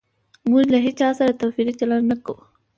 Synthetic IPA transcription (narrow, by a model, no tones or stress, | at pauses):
muʒlaɦet͡ʃɑsaɾat̪ofiɾit͡ʃalannakau